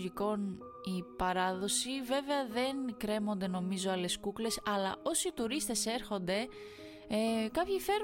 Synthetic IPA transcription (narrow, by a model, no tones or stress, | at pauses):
ʝiko̞n | ipɐɾɐðo̞sive̞ve̞ɐðe̞ŋkɾe̞mo̞nd̪e̞no̞mizo̞ɐle̞skukle̞sɐlɐ̰o̞siːt̪uɾist̪e̞se̞ɾxo̞nd̪e̞ | ekɐpçife̞ɾ